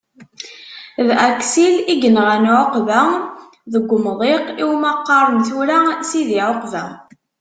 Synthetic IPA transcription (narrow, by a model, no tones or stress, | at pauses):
ðæksiliɡənʁænʕoqvæ | ðəɡʷːmðˤeqiwmɑqːɑɾˤənθuɾæsiðiʕoqvæ